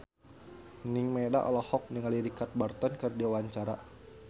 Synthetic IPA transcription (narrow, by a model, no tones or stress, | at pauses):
niŋmedaʔɔ̰lɔhɔk̚niŋaliɾikat̪̚bart̪ɔnkɨrdiawaɲt͡ʃaɾa